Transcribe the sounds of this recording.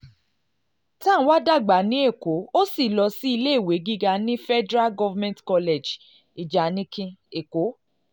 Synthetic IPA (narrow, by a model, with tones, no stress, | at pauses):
ta˦n̩˦wa˦da˦˨ɡ͡ba˨˦nĩ˨˦e˦˨ko˨˦o˦si˦˨lɔ˧si˦i˧le˦˨we˨˦ɡi˦ɡa˧nĩ˦fɛ˦dɾa˦lɡɔ˦va˦mɛ̃˦ntkɔ˧le˨d͡ʒ | i˨d͡ʒa˨˦nĩ˦kĩ˧e˨ko˨˦